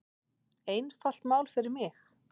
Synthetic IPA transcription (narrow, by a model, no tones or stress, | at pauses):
eːjnfal̥t̪maːwlfɪɾɪɾmɪx